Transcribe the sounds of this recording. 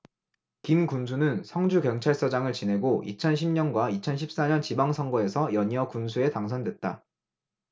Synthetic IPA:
kimkuns̬ʰunɯnsʰʌŋd͡ʑukjʌŋt͡ɕʰaɭs͈ʌd͡ʑaŋɯɭt͡ɕinɦe̞ɡoʔḭt͡ɕʰʌnɕ̬ʰimɲʌnɡwait͡ɕʰʌnɕʰip̚s͈aɲʌnt͡ɕibaŋsʰʌŋɡʌe̞sʰʌjʌɲiʌkunsʰue̞taŋsʰʌndwe̞t̚t͈a̰

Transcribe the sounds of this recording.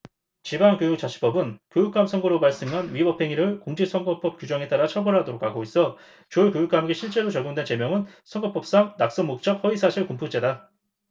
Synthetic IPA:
t͡ɕibaŋkjojuk̚t͡ɕ͈at͡ɕʰi̥p͈ʌbɯnkjojuk͈amsʰʌŋɡʌɾopaɭs͈eŋɦanɥibʌpʰe̞ŋiɾɯɭkoŋd͡ʑiksʰʌŋɡʌp͈ʌp̚k͈ʲjud͡ʑʌŋe̞t͈aɾat͡ɕʰʌbʌɭɦadoɾok͈ʰːaɡois͈ʌ | t͡ɕoɭkjojuk͈amɡeɕʰiɭt͡ɕ͈e̞ɾot͡ɕʌɡjoŋdwe̞nt͡ɕe̞mjʌŋɯnsʰʌŋɡʌp͈ʌp̚s͈aŋnak̚s͈ʌŋmok̚t͡ɕ͈ʌk̚ɸʌisʰaɕʰiɭkumpʰut͡ɕ͈e̞da

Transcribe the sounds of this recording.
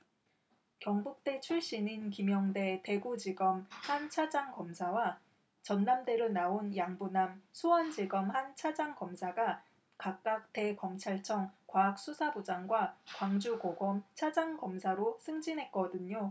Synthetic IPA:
kjʌŋbuk̚t͈e̞t͡ɕʰuɭɕ͈ininkimjʌŋde̞te̞ɡud͡ʑiɡʌmhant͡ɕʰad͡ʑaŋkʌmsʰawa | t͡ɕʌnːamde̞ɾonaonjaŋbunamsʰuʌnd͡ʑiɡʌmhant͡ɕʰad͡ʑaŋkʌmsʰaɡa | kak̚k͈ak̚te̞kʌmt͡ɕʰaɭt͡ɕʰʌŋkwaak̚s͈usʰabod͡ʑaŋɡwakwaŋd͡ʑuɡoɡʌmt͡ɕʰad͡ʑaŋɡʌmsʰaɾosʰɯŋd͡ʑinɦe̞t̚k͈ʌdɯɲo

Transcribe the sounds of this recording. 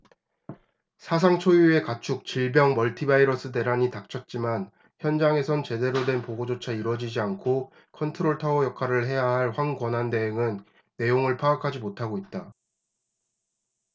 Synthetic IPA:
sʰas̬ʰaŋt͡ɕʰojue̞kat͡ɕʰuk̚t͡ɕiɭbjʌŋmʌɭtʰibaiɾʌs͈ɯde̞ɾaɲitak̚t͡ɕʰʌt̚t͡ɕ͈iman | çjʌnd͡ʑaŋe̞sʰʌnt͡ɕe̞de̞ɾodwe̞npoɡod͡ʑot͡ɕʰaiɾwʌd͡ʑid͡ʑiankʰo | kʰʌntʰɯɾoɭtʰaojʌkʰaɾɯɭɦe̞jaɦaɭɸwaŋkwʌnɦande̞eŋɯnː | e̞joŋɯɭpʰaːkʰad͡ʑimotʰaɡoit̚t͈a

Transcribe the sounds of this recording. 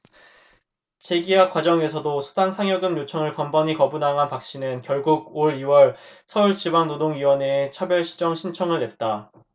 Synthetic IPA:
t͡ɕe̞ɡiwakwad͡ʑʌŋe̞sʰʌdosʰu̥daŋsʰaŋjʌɡɯmjot͡ɕʰʌŋɯɭpʌmbʌɲikʌbunaŋɦanpak̚ɕ͈inɯnkjʌɭɡuɡ̚oɾiwʌɭsʰʌuɭt͡ɕibaŋnodoŋɥiwʌne̞ːt͡ɕʰabjʌɭɕʰi̥d͡ʑʌŋɕʰint͡ɕʰʌŋɯɭːe̞t̚t͈a

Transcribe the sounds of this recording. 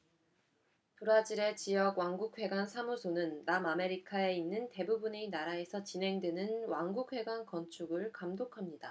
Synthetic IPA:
tuɾad͡ʑiɾe̞t͡ɕijʌɡwaŋɡuk̚ʰɸwe̞ɡwansʰamusʰonɯnːamame̞ɾikʰae̞inːɯnte̞bubune̞inaɾae̞sʰʌt͡ɕinɦe̞ŋdwenɯnwaŋɡuk̚ɸwe̞ɡwankʌnt͡ɕʰuɡɯɭkamdokʰamɲida

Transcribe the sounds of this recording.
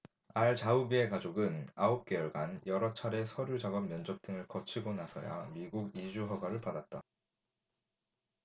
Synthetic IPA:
aɭt͡ɕaubie̞kad͡ʑoɡɯnaop̚k͈e̞jʌɭɡanjʌɾʌt͡ɕʰaɾe̞sʰʌɾjud͡ʑaɡʌmːjʌnd͡ʑʌk̚t͈ɯŋɯɭkʌt͡ɕʰiɡonasʰʌ̰ja̰miɡuɡid͡ʑuɦʌɡwaɾɯɭpadat̚t͈a

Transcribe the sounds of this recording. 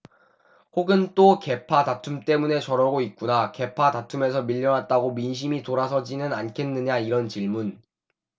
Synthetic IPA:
hoɡɯnt͈oke̞pʰatatʰumt͈e̞mune̞t͡ɕʌɾʌɡoit̚k͈unake̞pʰatatʰume̞s̬ʰʌmiʎːʌnɦat̚t͈aɡominɕ̬ʰimitoɾasʰʌd͡ʑinɯnankʰe̞nːɯɲaiɾʌnt͡ɕiɭmun

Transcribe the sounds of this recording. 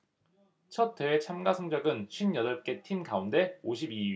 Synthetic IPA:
t͡ɕʰʌt̚t͈e̞wet͡ɕʰamɡasʰoŋd͡ʑʌɡɯnɕʰɥinjʌdʌɭ̚k͈e̞tʰinɡaunde̞oɕʰibi

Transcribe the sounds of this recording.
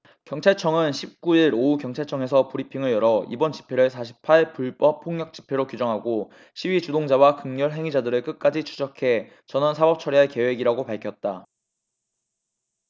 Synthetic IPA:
kjʌŋt͡ɕʰaɭt͡ɕʰʌŋɯnɕʰip̚k͈uiɾoukjʌŋt͡ɕʰaɭt͡ɕʰʌŋe̞s̬ʰʌpuɾipʰiŋɯɭjʌɾʌibʌnt͡ɕi̥pʰe̞ɾɯɭs̬ʰaɕ̬ʰi̥pʰaɭpuɭp͈ʌp̚ʰːoŋɲʌk̚t͡ɕ͈i̥pʰe̞ɾokjud͡ʑʌŋɦaɡo | ɕʰiɥit͡ɕudoŋd͡ʑawakɯŋɲʌɭɦe̞ŋid͡ʑadɯɾɯɭk͈ɯk͈ad͡ʑit͡ɕʰu̥d͡ʑʌkʰe̞ | t͡ɕʌnɯnsʰabʌp̚t͡ɕʰʌɾiɦaɭke̞we̞ɡiɾaɡopaɭkʰjʌt̚t͈a

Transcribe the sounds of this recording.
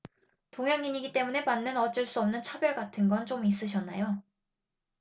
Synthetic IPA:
toŋjaŋːiɲiɡit͈e̞mune̞manːɯnʌt͡ɕ͈ɯɭs͈uʌmnɯnt͡ɕʰabjʌɭɡatʰɯnɡʌnt͡ɕomis̬͈ɯɕ̬ʰʌnːajo

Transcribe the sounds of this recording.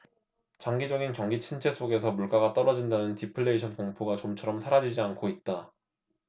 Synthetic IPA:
t͡ɕaŋɡid͡ʑʌɡinkjʌŋɡit͡ɕʰint͡ɕʰe̞s͈ʰoɡe̞sʰʌmuɭk͈aɡat͈ʌɾʌd͡ʑindanɯntipʰɯɭːe̞iɕʰʌnkoŋpʰoɡat͡ɕomt͡ɕʰʌɾʌmsʰaɾad͡ʑid͡ʑiankʰoit̚t͈a

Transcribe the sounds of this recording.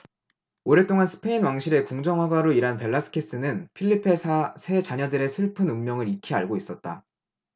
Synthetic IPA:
oɾe̞t͈oŋansʰɯ̥pʰe̞inwaŋɕʰiɾe̞kuŋd͡ʑʌŋwaɡwaɾoiɾanpe̞ɭːasʰɯ̥kʰes͈ɯnɯnpʰiɭːipʰesʰasʰe̞t͡ɕaɲʌdɯɾe̞sʰɯɭpʰɯnɯmmjʌŋɯɾikʰiaɭɡois͈ʌt̚t͈a̰

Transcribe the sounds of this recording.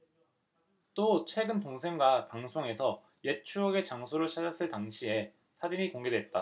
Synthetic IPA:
t͈ot͡ɕʰe̞ɡɯntoŋsʰe̞ŋɡwapaŋsʰoŋe̞sʰʌ | je̞t͡ɕʰuʌɡe̞t͡ɕaŋsʰoɾɯɭt͡ɕʰad͡ʑʌs͈ɯɭtaŋɕʰie̞ | sʰad͡ʑiɲikoŋɡe̞dwe̞t̚t͈a

